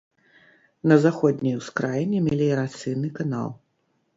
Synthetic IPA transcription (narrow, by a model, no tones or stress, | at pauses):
nɐzaxɔd̪ʲnʲijwskɾajɛnʲɛmʲɛlʲiɛɾat̪sɨjnɨkana̰lˠ